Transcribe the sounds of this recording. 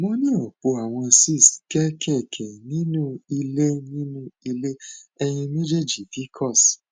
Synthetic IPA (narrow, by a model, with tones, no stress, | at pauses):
mɔ̃˦nĩ˦o˨k͡po˧a˨w̃ɔ̃˧si˦˨si̥˨kɛ˦kʰɛ˦˨kʰɛ˨nĩ˦nũ˦i˧le˦nĩ˦nũ˦i˧le˦ɛ˧j̃ĩ˧mĩ˦d͡ʒe˦˨d͡ʒi˨fi˨˦kʰɔ˦˨s